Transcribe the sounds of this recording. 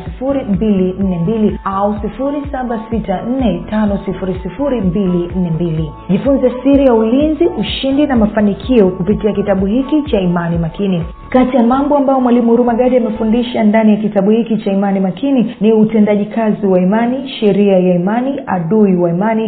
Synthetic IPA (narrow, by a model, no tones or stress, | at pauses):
sifuɾimbilin̩nɛmbiliausifuɾisaɓasitan̩nɛtanɔsifuɾisifuɾimbilin̩nɛmbili | ʄifunzasiɾijaulinziʔuʃindinamafanikʰiɔkupitiakitaɓuhikit͡ʃaimanimakini | katijamambɔambajɔmwalimuɾumaɠaɗiamɛfundiʃandanijakitaɓuhikit͡ʃaimanimakininiutɛndaʄikʰaziwaimaniʃɛɾiajaimania̰ɗuiwaimani